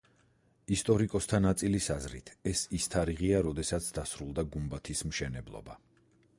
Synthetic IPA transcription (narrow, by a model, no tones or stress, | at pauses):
ist̪ʼɔɾikʼɔst̪ʰanat̪sʼilisazɾḭt̪ʰɛsist̪ʰaɾiʁiaɾɔd̪ɛsat̪sʰd̪asɾulˠd̪aɡumbat̪ʰismʃɛnɛblˠɔ̰ba